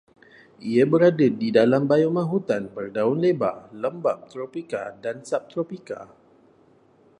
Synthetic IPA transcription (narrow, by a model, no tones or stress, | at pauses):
iabəɾadadidalambajɔmãɦut̪anpərdaʊnleba̰ləmbap̚t̪ɾopika̰dansap̚t̪ɾopika̰